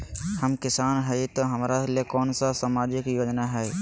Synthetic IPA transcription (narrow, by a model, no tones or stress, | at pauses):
həmkɪsaːnɦɛt̪oɦɐmɾaliekɔːnsasaːmaːd͡ʒɪkjoːd͡ʒnaɦɛː